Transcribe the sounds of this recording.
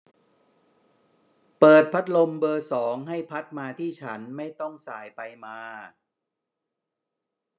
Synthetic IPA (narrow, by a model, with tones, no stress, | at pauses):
pɤː˨˩t̪̚pʰa˦˥t̪̚lo˧mbɤː˧sɔː˩˦ŋɦa˥˩jpʰa˦˥t̪̚maː˧t̪ʰiː˥˩t͡ɕʰa˦˥nma˥˩jt̪ɔ˥˩ŋsaː˨˩˦jpa˧jmaː˧